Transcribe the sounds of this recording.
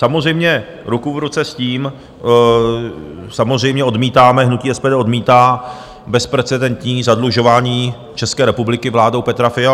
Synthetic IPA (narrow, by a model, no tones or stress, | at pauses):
samozr̝ɛjmɲɛ | ɾukuvɾut͡sɛsciːm | samozr̝ɛjmɲɛʔo̞dmiːt̪aːmɛɦnuciːɛspɛːdɛːʔodmiːt̪aː | bɛspɾɛt͡sɛdɛnt̪ɲiːzadluʒo̞vaːɲiː | t͡ʃɛskɛːɾɛpublɪkɪvlaːdowpɛt̪ɾafɪa